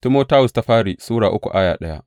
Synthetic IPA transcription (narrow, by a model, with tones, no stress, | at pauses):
ti˦moː˦taː˦wʊ˨sta˦ɸaː˦ɽiː˨suː˦ɽaː˨ʔʊ˦kʷu˨ʔa˦jaː˨ɗɐ˦ja˦ʔ